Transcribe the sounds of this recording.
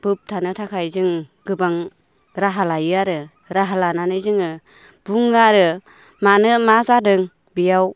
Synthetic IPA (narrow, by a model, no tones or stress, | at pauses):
b̥ɯp̚tʰanɯtʰakʰajzɯŋɡɯbaŋ | ɾaɦalajɯaɾɯ | ɾaɦalananɯjzɯŋɯ | b̥uŋɯaɾɯ | manɯmazadɯŋ | bijaw